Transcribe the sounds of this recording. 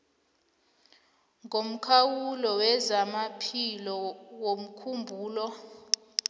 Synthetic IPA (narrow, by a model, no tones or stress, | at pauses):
ŋɡʱom̩kʰawulɔwɛzamapʰilɔwom̩kʰumbʱuːlɔ